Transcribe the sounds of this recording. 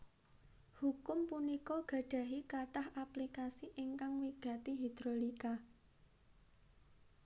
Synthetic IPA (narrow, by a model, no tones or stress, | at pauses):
hukʊmpunikɔɡ̥ä̤ɖ̥ä̤ɦikaʈahaplikasiʔɪŋkaŋwiɡ̥ä̤t̪iɦid̪̥ɾolika